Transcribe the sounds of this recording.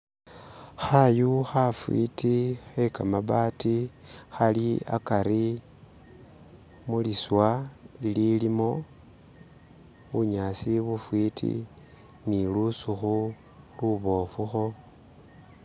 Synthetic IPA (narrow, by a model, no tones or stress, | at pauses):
xajuxafwḭtixe̞kamaβaːtixalia̰kaɾi | muliswalililimo̞ | βuɲasiβufwitʰḭ | nilusuxu | luβo̞ːfuxo̞